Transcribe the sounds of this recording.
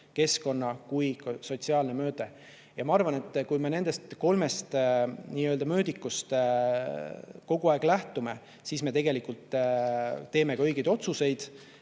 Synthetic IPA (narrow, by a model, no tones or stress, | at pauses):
ke̞sko̞nːɑkujkɑso̞t̪ʲsiɑːlne̞mø̞ːd̪̥e | jɑmɑɑrvɑne̞t̪ːˑkujme̞ne̞nd̪̥e̞st̪ko̞lme̞st̪niːøld̪ɑmø̞ːd̪ikːˑust̪ | ko̞ɡ̥uɑeɡ̥læht̪ume̞ | siːsme̞t̪e̞ɡe̞likult̪ː | t̪e̞ːme̞kɑøjɡejd̪o̞t̪suse̞jd̪̥